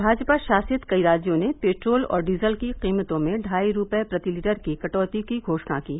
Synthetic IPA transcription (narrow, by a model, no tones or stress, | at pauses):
bʱaːd͡ʒpaʃaːsɪt̪kɐiɾaːd͡ʒjõnepeːʈɾoːlɔ̰ːɾɖiːzəlkiqiːmət̪õmẽɖʱaːiɾʊpepɾɐt̪iliːʈəɾkikɐʈɔːt̪ikiɡʱoːʃna̰kiː